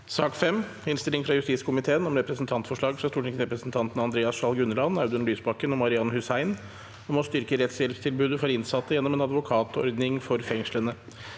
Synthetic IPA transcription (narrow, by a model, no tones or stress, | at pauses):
sɑːkfɛmː | ɪnst̪ɪlɪŋfɾɑjʉst̪iːt̪skʰʊmɪt̪ʰeːənɔmɾɛpɾəsnt̪ʰɑnt̪fɔʂɭɑːɡfɾɑst̪uːʈɪŋsɾɛpɾəsnt̪ʰɑnt̪n̩ɑnd̪ɾeːɑsʃɑlɡʉnːəlɑnɑʉd̪əɳlyːsbɑkːənɔmɑɾɪɑnːhʉsæɪn | ɔmɔst̪ʏɾkəɾɛt̪sɛlfst̪ʰɪlbʉːd̪əfɔɾɪnsɑt̪ːəjɛnːɔmɛeːnɑd̪ʋʊkʰɑːt̪ʰɔ̰ɾd̪nɪŋfɔɾfɛŋʂɭənə